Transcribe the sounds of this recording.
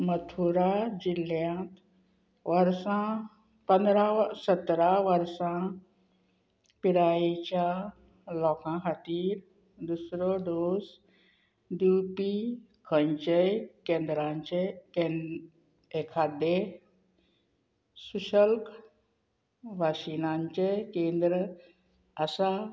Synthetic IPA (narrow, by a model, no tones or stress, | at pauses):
mət̪ʰuɾad͡ʑiljãt̪ | ʋəɾsã | pə̃nd̪ɾasət̪ɾaʋəɾsã | piɾajit͡ɕa | lɔkãxat̪iːɾ | d̪usɾoɖos | d̪uːpi | kʰə̃ɲt͡ʃekẽːnd̪ɾãɲt͡ʃeke | ekʰaːd̪e | suʃəlk | ʋaːsinãɲt͡ʃekẽːnd̪ɾə | əsa